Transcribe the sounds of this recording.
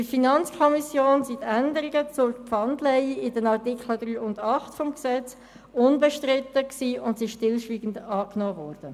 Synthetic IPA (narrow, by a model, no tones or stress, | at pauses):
ifinɑnt͡skʰɔmisjoːnsitændəɾiɡət͡sʊɾkpfɑndlɛɪɪdənɑʁtikχlədɾyːʊndɑχtfɔmksɛt͡s | ʊnbəʃtɾɪtəksiːʊntsiʃtɪlʃʋiːɡən̩dɑːknɔːvɔːɾd̥ə